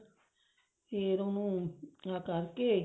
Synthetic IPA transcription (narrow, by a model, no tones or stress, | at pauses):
eɾõnũakaɾke